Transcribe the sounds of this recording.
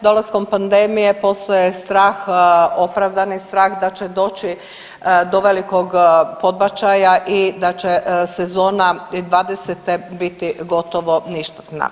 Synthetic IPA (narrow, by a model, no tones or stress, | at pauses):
d̪o̞lazko̞mpand̪emije̞po̞st̪ojest̪ɾaːxopɾaʋd̪anist̪ɾaːxd̪at͡ʃe̞d̪o̞ːt͡ʃi | d̪oʋeliko̞ɡpo̞d̪̚bat͡ʃajaʔid̪at͡ʃesezo̞ːnaid̪ʋaːd̪eset̪ebit̪iɡo̞t̪oʋo̞niʃt̪e̥t̪na̰